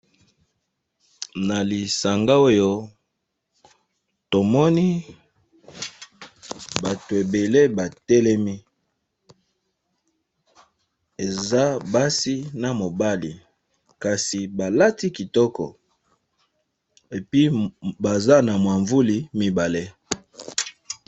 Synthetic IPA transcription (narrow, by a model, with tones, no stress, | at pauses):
na˨li˨sa˨ŋɡa˦o˦jo˦ | to˨mɔ˦ni˦ | ba˨to˨e˨be˨le˦ba˨tɛ˦lɛ˦mi˦ | e˨za˦ba˦si˦na˨mo˨ba˦li˨ | ka˨si˨ba˨la˦ti˦ki˨tɔ˦kɔ̰˨ | e˨pi˦ba˨za˦na˨mwa˨ɱvu˦li˨mi˦ba˨le˦